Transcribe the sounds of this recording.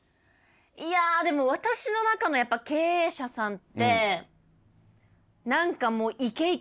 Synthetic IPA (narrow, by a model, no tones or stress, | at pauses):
iad̪e̞mo̞βat̪aɕino̞nakano̞japːake̞ːɕasãnt̪ːe̞ | nãŋkamo̞ːʔike̞i